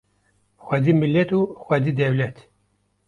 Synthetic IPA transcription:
xʷɐd̪iːmɨlːɛt̪uːxʷɛd̪iːd̪ɛwlɛt̪

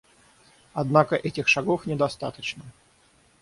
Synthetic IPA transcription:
ɐd̪nakəʔɛtʲɪxʂɐɡofnʲɪd̪ɐst̪at̪ət͡ɕnə

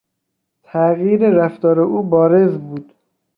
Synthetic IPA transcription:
t̪ʰæɣjiːɾeɾæft̪ɒːɾeʔuːbɒːɾezbuːd̪̥

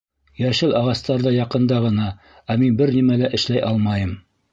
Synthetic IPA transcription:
jæʃɘlɑʁɑst̪ɑɾðɤjɑqɤ̆nd̪ɑʁɤ̆nɑ | æminbɘɾnimælæʔɘ̆ʃlæjʔɑlˠmɑjɤm

